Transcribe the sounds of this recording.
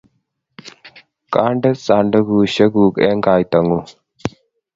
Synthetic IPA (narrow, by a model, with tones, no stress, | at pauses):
kaː˦ɳɖə˦saː˨ɳɖə˦ɡu˨ɕə˦ɡuː˨kɛ̰˦ŋɡaː˨jt̪ɐ˨ŋu˦